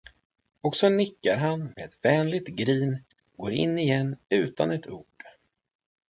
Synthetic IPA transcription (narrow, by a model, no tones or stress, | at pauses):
ɔksɔnɪkːaɾɦanmeɛt̪vɛːnlɪt̪ɡɾiːn | ɡoːɾɪ̰nːɪjɛnːʉ̟ːt̪a̰nɛt̪ʰuːɖ̥